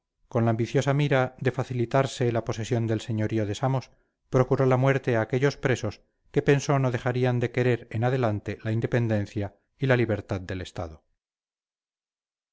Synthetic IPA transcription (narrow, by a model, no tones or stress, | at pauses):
ko̞nlaːmbiθjo̞samiɾaðe̞faθilit̪aɾse̞lapo̞se̞sjo̞nd̪e̞lse̞ɲo̞ɾio̞ðe̞samo̞s | pɾo̞kuɾo̞lamwe̞ɾt̪e̞aːke̞ʎo̞spɾe̞so̞s | ke̞pe̞nso̞no̞ðe̞xaɾiand̪e̞ke̞ɾe̞ɾenaðe̞lant̪e̞laind̪epe̞nd̪ẽ̞n̟θja | ilaliβ̞e̞ɾt̪aðd̪e̞le̞st̪a̰ðo̞